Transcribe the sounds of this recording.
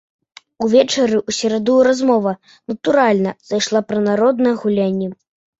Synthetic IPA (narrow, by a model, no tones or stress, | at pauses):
uvʲɛt͡ʂɐɾɨʔusʲɛɾad̪ɔjɾazmɔvɐ | nɐt̪uɾalʲnɐzajʂlˠapɾɐnaɾɔd̪nɐjɛɣulʲanʲːɛ